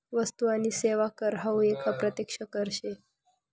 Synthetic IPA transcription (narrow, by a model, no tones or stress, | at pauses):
ʋəst̪uañiːseʋakəɾɦawekapɾət̪jekʂəkəɾɕe